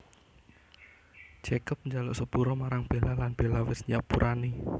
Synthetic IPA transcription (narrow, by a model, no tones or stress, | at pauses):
d͡ʒ̥ɛkəp̚ɲd͡ʒalʊʔsəb̥uɾɔmaɾaŋb̥elalanb̥elawɪsɲapuɾʔani